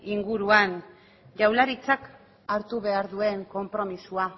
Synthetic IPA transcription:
iŋɡuɾuan | ʝawlaɾit͡sak | aɾt̪uβe̞aɾðue̞ŋko̞mpɾo̞misua

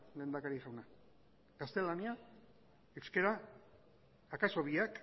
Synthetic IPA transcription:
le̞ːnd̪akaɾiʝawna | ɡast̪e̞lania | eskeɾa | kaso̞βiak

